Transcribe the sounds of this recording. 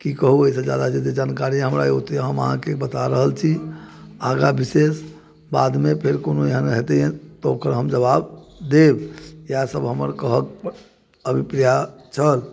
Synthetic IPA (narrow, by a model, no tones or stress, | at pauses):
kikəɦuəisə̃d͡ʒad̪ad͡ʒet̪ed͡ʒankaɾĩɦəmɾaut̪ɦəməɦã̰kebət̪aɾəɦəlt͡ʃʰi | aɡabises | bad̪mepʰeɾkonoeɦənɦet̪ɛẽt̪ɔokəɾɦəmd͡ʒəβabd̪ebjasəbɦəməɾkəɦək | əbʱipɾijat͡ʃʰəl